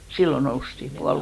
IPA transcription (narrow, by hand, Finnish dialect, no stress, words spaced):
silːo noustim puɑl